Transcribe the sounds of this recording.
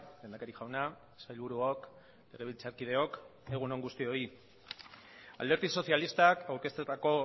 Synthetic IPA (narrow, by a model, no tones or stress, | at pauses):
lend̪akaɾiʝawna | sajlβuɾuok | le̞ɣ̞e̞β̞ilt͡saɾkiðe̞o̞ke̞ɣ̞uno̞ŋɡust̪io̞i | a̰lde̞ɾt̪iso̞sjalist̪akawɾke̞st̪et̪ako̞